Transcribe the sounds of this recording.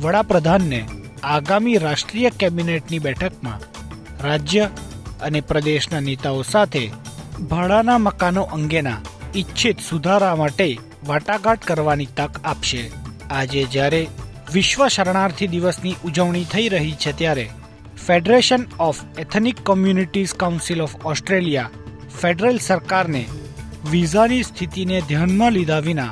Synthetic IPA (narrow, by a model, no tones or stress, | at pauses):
ʋəɽapɾəd̪ʱanːe | aɡamiɾaʃʈɾijəkɛbineʈnibɛʈʰəkmã̰ | ɾad͡ʒjəənepɾəd̪eʃnanet̪aosat̪ʰebʱəɭanaməkanoʔəŋɡena̰itːt͡ʃʰit̪sud̪ʱaɾamaʈe | ʋaʈaɡaʈkəɾʋanit̪əkapʃead͡ʒed͡ʒjaɾe | ʋɪʃʋəʃəɾɳ̃aɾt̪ʰid̪iʋəsniʔud͡ʒəʋɳ̃it̪ʰəiɾəɦit͡ʃʰet̪jaɾe | feɖɾeʃənɔfɛt̪ʰnikːɔmjuniʈizkaunsilɔfɔsʈɾelija | feɖɾəlsəɾkaɾne | ʋizanist̪ʰit̪ined̪ʱjanmãlid̪ʱaʋina̰